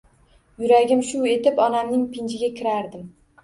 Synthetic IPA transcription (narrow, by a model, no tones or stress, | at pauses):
jʊɾaɡʲɪmʃʊe̞t̪ɪpɒnamnɪŋpʰɪnt͡ʃɪɡʲakʲʰɪɾaɾd̪ɪm